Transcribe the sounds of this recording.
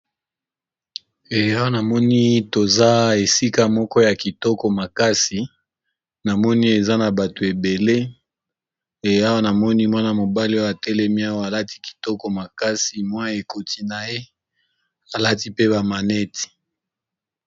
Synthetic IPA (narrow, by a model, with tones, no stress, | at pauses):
e˨˦a˦wa˦na˨mɔ˦ni˦to˨za˦e˨si˦ka˦mɔ˦kɔ˦ja˨ki˨tɔ˦kɔ˨ma˨ka˦si˨ | na˨mɔ˦ni˦e˨za˦na˨ba˨to˨e˨be˨le˦ | e˨ja˦wa˦na˨mɔ˦ni˦mwa˦na˦mo˨ba˦li˦ɔ˦o˦a˨tɛ˦lɛ˦mi˦a˦wa˦a˨la˦ti̥˦ki̥˨tɔ˦kɔ˨ma˨ka˦si˨mwa˦˨e˨ko˨tʰi˦na˨je˦ | a˨la˦ti˦pe˦ba˨ma˨nɛ˦ti̥˨